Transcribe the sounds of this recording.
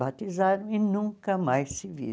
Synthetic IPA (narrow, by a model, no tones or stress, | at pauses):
at̪izaɾɐ̃w̃ɪnũŋkɐmajsɪvḭ